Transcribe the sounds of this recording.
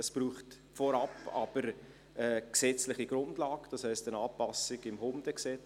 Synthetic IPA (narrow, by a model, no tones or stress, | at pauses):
əsb̥ruːχt | fɔɾɑpɑ̰b̥əɾ | əksɛt͡slɪχiɡ̥ɾʊndlɑːɡd̥ɑshɛɪstənɑːpɑsɪɡɪmhʊmd̥əksɛt͡s